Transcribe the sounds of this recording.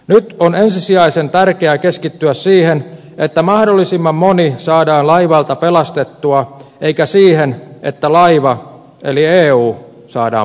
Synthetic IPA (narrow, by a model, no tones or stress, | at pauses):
nyt̪onensisiɑisent̪ærkeækeskit̪ːyæssiːhen | ʔet̪ːæmɑhdolːisimːɑmmonisɑːdɑːnlɑiʋɑlt̪ɑpelɑst̪et̪ːuɑʔeikæsiːhenʔḛt̪ːælɑiʋɑ | elieːuː | sɑːdɑ̰ː